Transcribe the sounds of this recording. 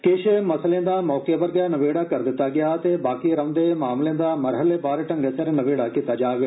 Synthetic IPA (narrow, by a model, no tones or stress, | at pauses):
kɪʃmɐslẽd̪amɔːkebɐɾɡanɐʋeːɽakɐɾd̪ɪt̪ːaɡɐjaːt̪ebaːkiɾɐʋ̪d̪emaːmlẽd̪amɐɾɦəlebaːɾeʈɐ̃ŋɡesɐɾnɐʋeːɽakɪt̪ad͡ʒaːɡɐ